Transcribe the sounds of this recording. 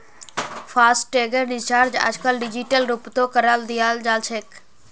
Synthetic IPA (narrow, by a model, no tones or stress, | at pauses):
fasʈʈeɡəɾɖɪt͡ʃaːɾd͡ʒa̰ːd͡ʒkəlɖid͡ʒiʈəlɾupt̪okəɾald̪ijald͡ʒalt͡ʃʰek